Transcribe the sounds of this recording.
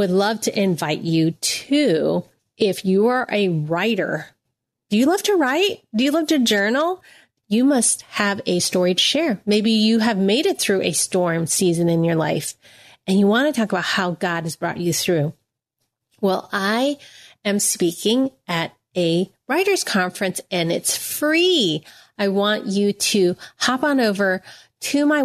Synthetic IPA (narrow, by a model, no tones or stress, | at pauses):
wɨdˡlʌv̥tʰɨʔɪ̃ɱvaɪt͡ʃɨtʰʉ | ʔɪfjɨə˞ʔɨɹaɪɾə̰˞ | d̥ɨjɨlʌv̥tʰɨɹaɪt̚d̥ɨjɨlʌv̥tɨd͡ʒɜ˞nl̩ˠ | jɨmʌst̚hɨvɨstɔɹiɾɨ̥ʃɛɹmeɪbijɨɨvmeɪɾɨt̪̚θɹʉʔɨstɔɹmsizɨ̃nɨ̃njə˞la̰ɪf | ɨ̃njɨwɑ̃nɨtʰɔkəbaʊt̚haʊɡɑd̚ɨzbɹɔ̰t͡ʃɨθɹʉ | wɛlˠaɪɨ̃mspikɪ̃ŋɨɾ | ɨ | ɹaɪɾə˞z̥kʰɑ̃ɱfɹɨ̃nsɨ̃nɪtsfɹi | aɪwɑ̃nt͡ʃɨɾɨhɑpn̩oʊvə˞ | tʰɨmaɪ